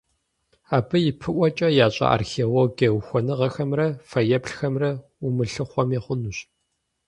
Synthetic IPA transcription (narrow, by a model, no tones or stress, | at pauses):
aːbɨjɪpʰɨʔʷɔt͡ʃʼɐjaːɕʼɐ̰ʔa̰ːrxeːloɡɐwxʷɔnɨʁɐxɐmrɐfɐjɐpɬxɐmrɐ | ʊmɨɬɨχʷɔmiχʷʊnuɕ